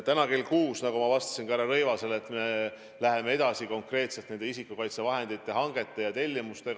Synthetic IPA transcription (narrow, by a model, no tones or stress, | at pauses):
t̪ænɑke̞lkuːsnɑkumɑvɑst̪ɑ̥sinkɑæɾɑɾɤ̞jvɑse̞let̪me̞ | læɦe̞me̞e̞d̪ɑsiko̞ŋkre̞ːt̪se̞lt̪ne̞nd̪e̞isikːˑukɑjt̪se̞vɑɦe̞nd̪̥it̪ˑːeɦɑŋɡ̥e̞t̪ːˑejɑt̪e̞lʲːimust̪e̞